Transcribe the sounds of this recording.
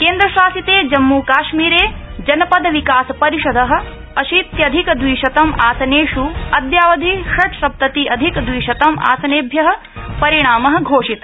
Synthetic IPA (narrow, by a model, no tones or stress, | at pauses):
keːnd̪ɾɐʃaːsit̪eːd͡ʒɐmːuːkaːʃmiːɾeːd͡ʒɐnɐpɐd̪ɐʋikaːsɐpɐɾiʃɐd̪ɐɦɐ̆ | ɐʃiːt̪jɐd̪ʱikɐd̪ʋiːʃɐt̪ɐmaːsɐneːʂuɐd̪jaːʋɐd̪ʱiːʂɐʈʰʃɐp̚t̪ɐt̪iɐd̪ʱikɐd̪ʋiːʃɐt̪ɐma̰ːsɐneːbʱjɐɦɐ̆ | pɐɾiɳ̃aːmɐɦɐ̆ɡʱoːʂit̪